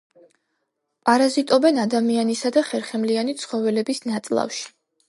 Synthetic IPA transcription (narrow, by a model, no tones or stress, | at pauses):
pʼaɾazit̪ʼɔbɛnad̪amianisad̪aχɛɾχɛmlianit̪sʰχɔvɛlɛbisnat̪sʼlˠa̰fʃi̥